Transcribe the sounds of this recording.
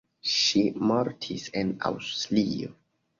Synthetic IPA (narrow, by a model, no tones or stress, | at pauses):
ʃimaɾtʰisena̰wstlio̰